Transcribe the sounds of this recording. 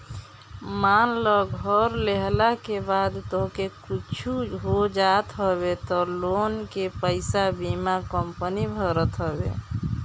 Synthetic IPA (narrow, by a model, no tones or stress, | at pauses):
manlɔɡʱɔɾleɦlakebad̪t̪oɦkekut͡ʃʰuɦod͡ʒat̪ɦɔbet̪ɔlonkepəɪsabimakəmpənibʱəɾət̪ɦɔbḛ